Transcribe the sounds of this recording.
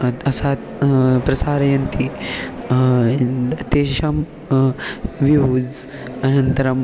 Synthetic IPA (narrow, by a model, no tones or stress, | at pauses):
ɐɐsaːt̪pɾɐsaːɾɐjɐnt̪i | ɐt̪eːʃɐm | ʋiud͡z | ɐnɐnt̪ɐɾɐm